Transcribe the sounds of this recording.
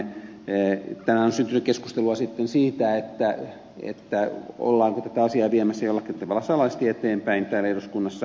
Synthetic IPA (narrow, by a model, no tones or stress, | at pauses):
t̪ænæonsynt̪ynykkeskust̪eluɑsit̪ːensiːt̪æet̪ːæ | ḛt̪ːæo̰lːɑːŋkot̪æt̪æɑsiɑːʋiemæsːæjolːɑkint̪eʋɑlːɑsɑlɑist̪ieet̪eːmpæint̪æːlːæeiroskunːɑsːɑ